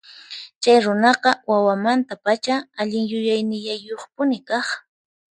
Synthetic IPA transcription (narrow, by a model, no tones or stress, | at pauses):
t͡ʃajɾʊnɑqɑwawamant̪apat͡ʃaaʎɪŋjʊjajnɪʎajoχpʊnɪkɑχ